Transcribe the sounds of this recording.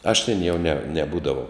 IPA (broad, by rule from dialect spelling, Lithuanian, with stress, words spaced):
ɐʃ tʲeːn jɛʊ nʲɛ nʲɛˈbuːdɐʋɐʊ